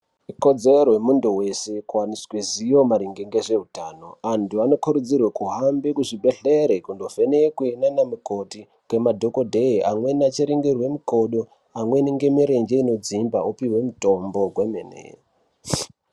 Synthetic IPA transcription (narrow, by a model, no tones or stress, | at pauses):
uko̞d͡zeɾowemunduwe̞se̞kuwaniswezijo̞maɾiŋɡeŋɡeʐe̞utaːno̞antuano̞kʰuɾud͡zirwakuɦambekuʐibe̞ɬeɾekundo̞fenekwenanamuko̞ti | kwe̞madʱo̞ko̞dʱe̞iʔamwe̞nat͡ʃiɾiŋɡirwe̞miko̞ɗo | amwe̞niŋɡe̞miɾe̞nd͡ʒeino̞d͡zimba̰upiwe̞muto̞mbo̞ɡʱwemḛnḛ